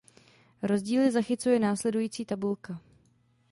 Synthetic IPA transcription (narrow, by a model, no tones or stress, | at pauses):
ɾo̞zɟiːlɪzaxɪt͡sujɛnaːslɛdujiːt͡siːt̪abulka